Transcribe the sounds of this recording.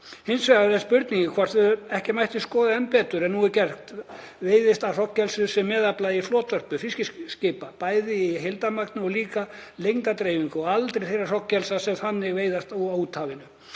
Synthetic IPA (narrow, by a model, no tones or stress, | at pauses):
hɪnsvɛɣaθɛspʏɾt̪niɲcɪkʰvaːɾ̥θvʏɛhcɪmajht̪ɪskɔːðaɛmpɛːt̪ʏɾɛnːuɛɾcɛr̥t̪veːjðɪst̪ar̥ɔcːɛlsʏsɛmːɛːðaplaiflɔːt̪vœr̥pʏfɪscɪscɪːpapaːjðɪiɦelt̪amakt̪nɪɔliːkalejŋt̪at̪ɾeːjviŋkʏɔalt̪ɾejθejrar̥ɔcːɛlsasɛmθanːɪɣvejðast̪aauːt̪haːvɪnʏ